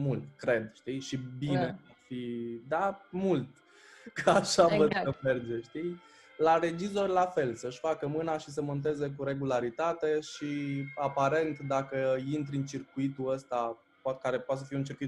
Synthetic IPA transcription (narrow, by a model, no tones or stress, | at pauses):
mult̪kɾe̞d̪ʃt̪iʃibine̞afid̪amult̪ | kaʃavəd̪əmerd͡ʒeʃt̪i | laɾe̞d͡ʒizo̞rʲlafe̞lsəʃfakəmɨnaʃis̬əmo̞nt̪̬e̞ze̞k̬uɾe̞ɡulaɾit̪at̪e̞ʃiapaɾe̞nt̪d̪akəint̪ɾɨnt͡ʃirkuit̪uəst̪a | pat̪kaɾe̞poat̪səfieunt͡ʃirkuit̪